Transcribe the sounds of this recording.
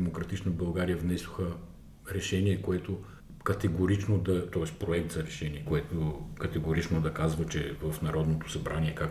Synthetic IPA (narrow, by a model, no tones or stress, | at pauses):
mokɾɐt̪it͡ʃnobɐlˠɡaɾijəvnɛso̥xə | ɾɛʃɛniɛkoɛt̪o | kɐt̪ɛɡoɾit͡ʃnod̪ɐt̪ɔbaspɾoɛk̚t̪zɐɾɛʃɛniɛkoɛt̪okɐt̪ɛɡoɾit͡ʃnod̪ɐkazvɐt͡ʃɛ̰vɐfnɐɾɔd̪not̪o̥sɐbɾʔanʲiɛkak